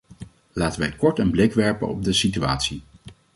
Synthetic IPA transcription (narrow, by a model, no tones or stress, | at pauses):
laːtənʋɛjkɔɹtənblɪkʋɛɹpə̰nɔ̰b̚dəsitya̰ːtsi